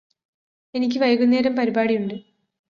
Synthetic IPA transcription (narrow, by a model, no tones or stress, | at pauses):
e̞nikʲːɨʋɐjɐɣunːeːɾɐmpɐɾibaːɽijuɳɖɨ